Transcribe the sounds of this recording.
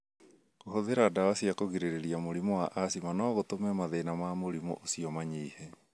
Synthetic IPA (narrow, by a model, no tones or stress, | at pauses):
ɣoɦoðeɾadawasiakoɣiɾeɾeɾiamoɾimɔwaʔasimanɔːɣotomɛmaðeinamamoɾimo̰ʔosiɔmaɲeːhɛ